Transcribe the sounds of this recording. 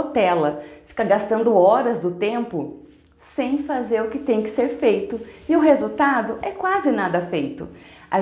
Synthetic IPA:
t̪ɛlɐfi̥kɐɡast̪ɐ̃nd̪ʊɔɾɐzd̪ʊt̪ẽmpʊ | sẽj̃fazeɾʊkɪt̪ẽj̃kɪ̥seɾfejt̪ʊɪʊɦezut̪ad̪ʊʔɛkwazɪnad̪ɐfejt̪ʊ̰a

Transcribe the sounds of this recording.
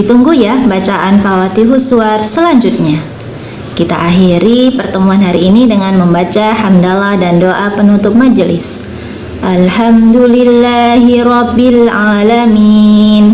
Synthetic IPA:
it̪uŋɡuhjabat͡ʃaʔanfawat̪iɦusuarsəlaɲd͡ʒut̪̚ɲa | kit̪a̰ʔaɦiɾipərt̪əmuanɦaɾiːnidəŋanməmbat͡ʃahandalahdandoʔapənut̪ʊp̚mad͡ʒlɪ̰s | ʔalhamd̪ulilːaɦiɾɔbilʕalamin

